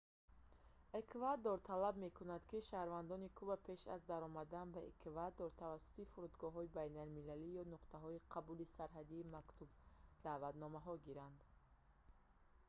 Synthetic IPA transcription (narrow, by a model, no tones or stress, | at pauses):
ekʰvad̪ɔɾt̪ʰalabme̞kʰunad̪kiʃahɾvand̪ɔnikʰubapʰe̞ʃa̰zd̪aɾɔmad̪anbaekʰvad̪ɔɾt̪ʰavasːu̥t̪ifuɾud̪ɡɔɦɔibajnalmilalijɔnuqt̪aɦɔiqʰabulisaɾɦad̪iːmakt̪ʰub̚d̪aːvat̪nɔmaɦɔɡiɾand̪